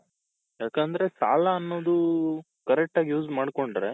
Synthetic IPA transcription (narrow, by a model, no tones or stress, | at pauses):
jaːkɐnd̪ɐɾesa̰ːlaːnːo̞ːd̪u | kɐɾek̚ʈaːɡjuːd͡ʒmaːɽko̞ɳɖɐɾe